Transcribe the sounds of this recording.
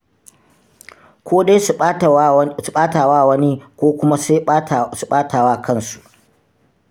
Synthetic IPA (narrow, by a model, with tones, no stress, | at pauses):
kʷoː˦de˦j | su˨ɓaː˦taː˨waː˦˨wɐ˦ni˦kʷoː˦kʷʊ˦ma˦˨su˨ɓaː˦tʰaː˨waː˦˨kʰɐ˦nsu̥˨ʔ